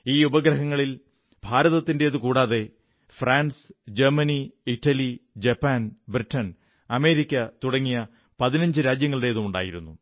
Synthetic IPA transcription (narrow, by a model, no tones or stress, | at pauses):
iːubɐɡɾɐɦɐŋːɐɭil | bʱaːɾɐðɐt̪ːinde̞ɐðɨkuːɽaːðe̞ | fraːnsd͡ʑɐrmɐniiʈːɐlid͡ʑɐpːaːnbriʈːɐn | ɐme̞ːɾikʲːɐt̪uɽɐŋːijɐ | pɐðinɐɲd͡ʑɨɾaːd͡ʑjɐŋːɐɭiɽe̞jːðumuɳɖa̰ːjiɾunːu